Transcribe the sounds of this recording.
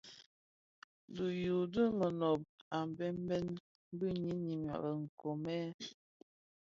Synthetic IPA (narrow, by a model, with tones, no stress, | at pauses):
du˨ju˨də˦mə˨no˨b̚a˨m˨bɛ˦m˦bɛ˦n | m˦bə˦ɲi˦ɲi˨m˨ɔ̰˨ɾə˨ŋ̩˨ko˨mɛ˦